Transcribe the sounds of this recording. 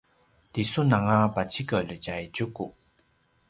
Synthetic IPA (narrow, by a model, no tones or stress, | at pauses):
tisunaŋabat͡ɕikələd͡ʑajd͡ʑuku